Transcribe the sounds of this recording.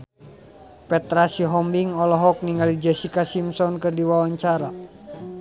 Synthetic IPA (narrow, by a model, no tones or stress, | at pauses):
pɛt̪ɾasiɦɔmbiŋɔlɔɦɔk̚niŋɡalid͡ʒɛsikasimsɔnkɨrdiwawaɲt͡ʃaɾa